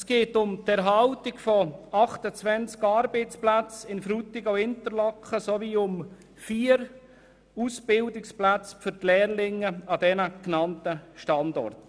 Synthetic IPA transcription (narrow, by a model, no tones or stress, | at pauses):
sɡ̥eːtʊmtɛɾɦɑltɪɡfɔɑχtət͡svɛnt͡skɑːɾbɛɪt͡splæt͡sɪnfɾut̪ɪɡoʊɪntəɾlɔkχəsoviːʊm | fiːəɾ | usb̥ɪldɪksplæt͡sfʏɾtlɛːɾlɪŋːəɑd̥ɛnəknɑntəʃtɑndɔ̰rt